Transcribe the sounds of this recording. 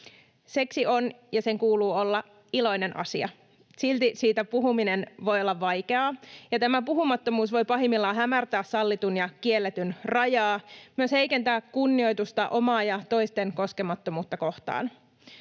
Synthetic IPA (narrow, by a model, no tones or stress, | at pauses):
se̞ksionjɑse̞ŋkuːluːo̞lːɑ | ilo̞jne̞nʔɑ̰siɑ̰ | silt̪isiːt̪æpuɦuminenʋo̞jolːɑʋʋɑjke̞ɑːjɑt̪æmæpuɦumɑt̪ːo̞muːsʋo̞jpɑɦimːilːɑːɦæmært̪æːssɑlːit̪unjɑkie̞lːet̪ynrɑjɑːmyøshe̞jkent̪æːkːunːio̞jt̪ust̪ɑʔo̞mɑːjɑt̪o̞jst̪eŋko̞ske̞mɑt̪ːomuːt̪ːɑko̞ht̪ɑ̰ːn